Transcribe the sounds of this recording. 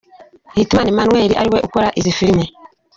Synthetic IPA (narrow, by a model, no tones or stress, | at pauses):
hitanimanwɛɾiʔa̰ɾiwɛukaɾaʔizifiɾimɛ